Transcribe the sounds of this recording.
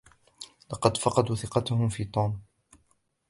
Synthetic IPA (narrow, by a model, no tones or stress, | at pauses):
lɑqɑd̪fɑqɑd̪uːθɪqɑt̪ʊhʊmfiːt̪ˤuːm